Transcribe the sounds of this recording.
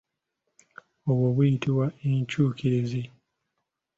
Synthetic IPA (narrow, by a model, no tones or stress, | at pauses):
oβwoβujitiwaeɲt͡ʃuːkeezi